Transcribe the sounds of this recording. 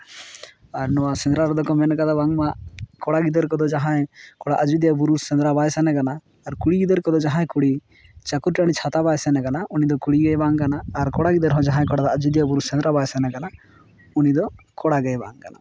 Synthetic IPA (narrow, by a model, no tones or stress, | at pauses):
aɾnɔwasɛ̃nd̪ɾaɾd̪ɔkɔmɛnkad̪ɔbaŋmakɔɽaɡid̪əɾkɔd̪ɔd͡ʒaɦãjkɔɽaʔəd͡ʒud̪ijabuɾussɛ̃nd̪ɾabajsɛnɛkanaː | ɾkuɽiɡid̪əɾkɔd̪ɔd͡ʒaɦãj̃kuɽi | t͡ʃakuɾʈaɽ̃it͡ʃʰat̪abajsɛnɛkanaʔunid̪ɔkuɽiɡɛjbaŋkanaːɾkɔɽaɡid̪əɾɦɔ̃d͡ʒaɦãj̃kɔɽad̪ɔad͡ʒud̪ijabuɾusɛ̃nd̪ɾabajsɛnɛkana | unid̪ɔkɔɽaɡɛjba̰ŋkana̰